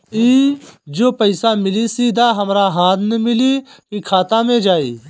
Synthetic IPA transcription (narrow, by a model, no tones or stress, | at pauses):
iːd͡ʒoːpəɪsamɪlisiːd̪aːɦɐmɾaːɦãːt̪ʰnemɪliːkikʰaːt̪aːmẽd͡ʒaːḭː